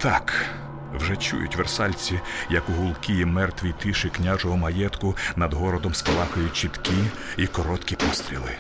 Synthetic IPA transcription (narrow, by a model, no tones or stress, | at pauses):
t̪ɑk | wʒɛt͡ʃṵjʊ̰tʲʋersɑlʲt͡sʲijɐkʊɦʊlˠkiimɛrt̪ʋʲijt̪ɪʃɪknʲaʒɔɦɔmɐjɛt̪kʊnɐd̪ɦɔɾɔd̪ɔmskɐlˠɑxɐjʊt̚ʲt͡ʃit̪ki | ikɔɾɔt̪kʲipɔst̪ɾʲḭlˠɪ̰